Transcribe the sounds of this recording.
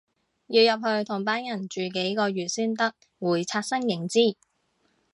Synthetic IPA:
jiː˧wjɐ˨p̚hɵ˧ɥt̪ʰʊ˨˩ŋpaː˥njɐ˨˩nt͡ʃyː˨ke˨˥jkɔː˧ɥyː˨t̚syː˥nt̪ɐ˥k̚ | wuː˨˩jt͡sʰaː˧t̚sɐ˥ŋjɪ˨˩ŋt͡siː˥˩

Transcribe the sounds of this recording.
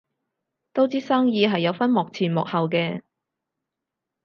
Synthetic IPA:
t̪o˥wt͡siː˥saː˥ŋjiː˧ɦɐ˨jːɐ˨˧wfɐ˥nmɔː˨k̚t͡sʰiː˨˩nmɔ̰˨k̚hɐ˨wkɛː˧

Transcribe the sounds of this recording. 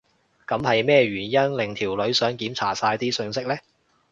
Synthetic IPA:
kɐ˨˧˥mhɐ˨jmɛː˥ɥyː˨˩njɐ˥nlɪ˨˩ŋt̪ʰiː˨˩wlɵ˨˥ɥsœː˨˥ŋkiː˨˥mt͡sʰaː˨˩saː˧jt̪iː˥sɵ˧ŋsɪ˥k̚lɛː˥

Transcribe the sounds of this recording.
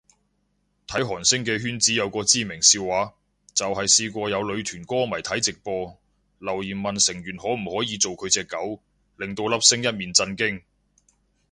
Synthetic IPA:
t̪ʰɐ˨˥jɦɔː˨˩nsɪ˥ŋkɛː˧ɦyː˥nt͡siː˨˥jɐ˨˧wkɔː˧t͡siː˥mɪ˨˩ŋsiː˧wwaː˨˥ | t͡sɐ˨whɐ˨jsiː˧kʷɔː˧jɐ˨˧wlɵ˨˧ɥt̪ʰyː˨˩nkɔː˥mɐ˨˩jt̪ʰɐ˨˥jt͡sɪ˨k̚pɔː˧ | lɐ˨˩wjiː˨˩nmɐ˨nsɪ˨˩ŋjyː˨˩nhɔː˨˥m̩˨˩hɔː˨˥jiː˨˧t͡so˨wkʰɵ˨˧ɥt͡sɛː˧kːɐ˨˥w | lɪ˨ŋt̪o˧wlɐ˥p̚sɪ˥ŋjɐ˥t̚miː˨˩nt͡sɐ˧nkɪ˥ŋ

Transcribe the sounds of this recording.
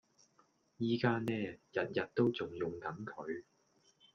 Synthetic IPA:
jiː˥kaː˥nɛː˥jɐ˨t̚jɐ˨t̚t̪ːo˥wt͡sʊ˨ŋjʊ˨ŋkɐ˨˥nkʰɵ˨˧ɥ

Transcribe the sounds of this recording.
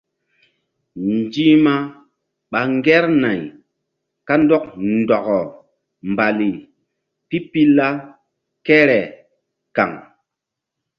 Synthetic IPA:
nd͡ʒi˦ma˦ | ɓa˨ŋɡɛ˦ɾna˨j | ka˦ndɔ˦k̚ndɔ˨ɣɔ˨ | mba˨li˨ | pi˦pi˦lːa˦ | kɛ˦ɾɛ˨ | ka̰˨ŋ

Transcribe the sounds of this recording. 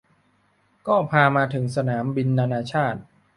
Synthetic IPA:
kɔː˥˩pʰaː˧maː˧t̪ʰɯ˩˦ŋsa˧naː˩˦mbi˧nːaː˧naː˧t͡ɕʰaː˥˩t̪̚

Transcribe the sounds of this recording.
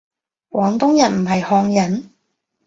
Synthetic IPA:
wɔː˨˥ŋt̪ʊ˥ŋjɐ˨nm̩˨˩ɦɐ˨jhɔː˧ŋjɐ˨˥n

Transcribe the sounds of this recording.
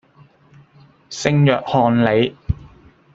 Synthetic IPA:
sɪ˥ŋjœː˨k̚hɔː˧nle˨˧j

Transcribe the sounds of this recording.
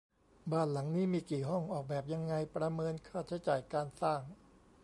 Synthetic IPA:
baː˥˩nla˩˦ŋniː˦˥miː˧kiː˨˩ɦɔ˥˩ŋʔɔː˨˩k̚bɛː˨˩p̚ja˧ŋːa˧jpɾa˧mɤː˧nkʰaː˥˩t͡ɕʰa˦˥jt͡ɕaː˨˩jkaː˧nsaː˥˩ŋ

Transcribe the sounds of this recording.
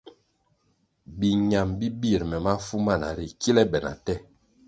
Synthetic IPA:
bi˨ɲa˨mbi˦bi˦˨ɾmɛ˨ma˦fu˦ma˦˨na̰˨ɾi˨kʰi˦lɛ˦bɛ˨na̰˨tɛ˦

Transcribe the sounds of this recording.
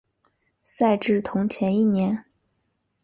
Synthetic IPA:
sa˥˧ɪʈ͡ʂɻ̩˥˩t̪ʰʊ˧˥ŋt͡ɕʰjɛ˧˥ni˥˩njɛ˧˥n

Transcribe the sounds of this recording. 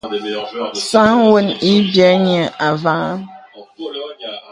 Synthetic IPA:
sã˦ŋ˦wə˦ni˦bjɛ˨˦ɲɛ˨a˨va˦

